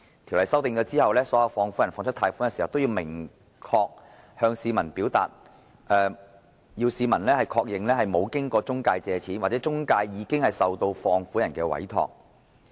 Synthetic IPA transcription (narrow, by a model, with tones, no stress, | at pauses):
t̪ʰi˨˩wlɐ˨˩jsɐ˥wt̪ɪ˨˧ŋt͡ʃɔː˧t͡siː˥hɐ˨wlɛː˥sɔː˨˥jɐ˨˧wfɔː˧ŋfu˨˥jɐ˨˩nfɔː˧ŋt͡ʃʰɵ˥t̪ʰaː˧jfuː˨˥nkɛː˧si˨˩ɐ˨wt̪o˥wjiː˧wmɪ˨˩ŋ | kʰɔː˧k̚ | hœː˧ŋsiː˨˧mɐ˨˩npiː˨˥wt̪a̰ː˨t̚ | ʔɛː˨˧ | jiː˧wsiː˨˧mɐ˨˩nlɛː˥hɐ˨jkʰɔː˧k̚jɪ˨ŋlɛː˥ɦɐ˨jmo˨˧wkɪ˥ŋkɔː˧t͡sʊ˥ŋkaː˧jt͡sɛː˨˧t͡sʰiː˨˥nwa˨t͡sɛː˨˥t͡sʊ˥ŋkaː˧jːiː˨˧kɪ˥ŋhɐ˨˩jsɐ˨wt̪o˧wfɔː˧ŋfuː˨˥jɐ˨˩nkɛː˧wɐ̰˨˥jt̪ʰɔ̰ː˧k̚